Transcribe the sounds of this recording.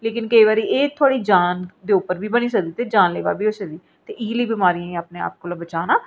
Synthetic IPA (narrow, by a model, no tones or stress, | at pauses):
leːkɪnkəiːʋaːɾiːʔeːt̪ʰʊaːɽiːd͡ʒaːnd̪eːʊpəɾbʱiːbəñiːsəkd̪iːt̪eːd͡ʒaːnleːʋa̰ːbiːoːsəkd̪iː | t̪eːʔiːliːbɪmaːɾiãːẽaːpneːa̰ːp̚koːlabət͡ʃaːnaː